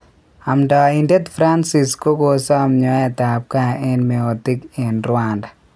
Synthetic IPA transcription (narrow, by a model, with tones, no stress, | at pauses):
a˨mdɔ˨i˨nde˦t̪fɾa˦nsi˨sko˦ko˨sɔ˦a˨mɲɔ˨˦ɛ˨ta˨p̚ka˨ɛ˦nmɛ˨o˨tɪ˦ke˨nɾwa˦nda˨